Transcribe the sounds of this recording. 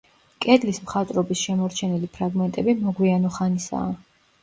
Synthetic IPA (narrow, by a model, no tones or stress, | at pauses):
kʼɛd̪lismχat̪ʼɾɔbisʃɛmɔɾt͡ʃʰɛnɛlipʰɾaɡmɛnt̪ʼɛbimɔɡwianɔχanisa̰ː